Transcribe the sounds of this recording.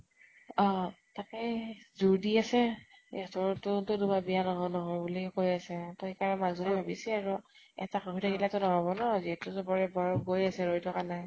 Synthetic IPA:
ɔ | takɛzuɹdiasɛɛtɔɹtʊtʊdubabijanɔɦɔjnɔɦɔjbulikojasɛtɔikaɹɛmazɔnibʱabisɛaɹu | ɛ̰taxɔɦitaɡilatʊnɔɦɔbɔnɔziɛtʊzɔbɔɹɛbɔjɔɡojasɛɹojtʰɔkanaj

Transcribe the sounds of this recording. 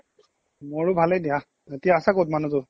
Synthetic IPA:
moɹʊbʱalɛjdija | zatijaːsakowtmanũtʊ

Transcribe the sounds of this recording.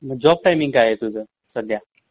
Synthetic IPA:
məd͡ʑɔb̚ʈajmiŋɡaɦet̪ud͡zəː | səd̪ja

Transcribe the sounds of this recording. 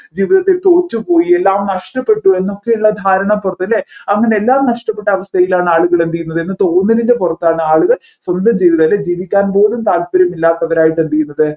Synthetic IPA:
d͡ʑiːʋiðɐt̪ːilt̪o̞ːt͡ɕːupo̞ːjie̞lːaːmnɐʂʈɐpːe̞ʈːue̞nːo̞kːejuɭːɐd̪ʱaːɾɐɳɐmpurɐt̪ːɐleɐŋːɐne̞elːaːmnɐʂʈɐpːe̞ʈːɐːʋɐst̪ʰɐjilaːɳɨaːɭuɣɐɭend̪ikːunːɐðɨe̞nːɨt̪o̞ːnːɐɾindepurɐt̪ːaːɳɨaːɭuɣɐɭ | swɐnd̪ɐmd͡ʑiːʋiðɐlːed͡ʑiːʋikʲːaːnpo̞ːlumt̪aːlpɐɾɐmilːaːt̪ːɐʋɐɾaːjiʈːend̪ikʲːunːɐðɨ

